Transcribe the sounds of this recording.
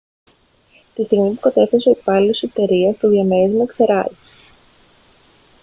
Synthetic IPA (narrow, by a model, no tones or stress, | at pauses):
t̪ist̪iɣmipukɐt̪e̞θesoipɐlset̪e̞ɾiɐst̪uðiɐmezmuekse̞ɾɐzi̥